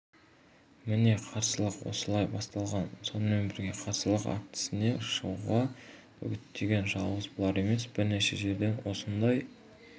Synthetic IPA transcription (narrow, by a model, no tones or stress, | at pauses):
mɪne̞qʰɑɾsəlˠəqwo̰səlˠɑjbɑst̪ɑlˠʁɑnso̞nəme̞nbɪɾɡʲe̞qʰɑɾsəlˠəqa̰k̚t̪ɪ̥sɪne̞ʃəwʁɑ | ɵ̰ɡʲɪt̪ːe̞ɡʲe̞nʒɑlˠʁəzbolˠɑɾe̞me̞sb̥ɪɾneʃe̞ʒe̞ɾd̪e̞nwo̞sənd̪ɑj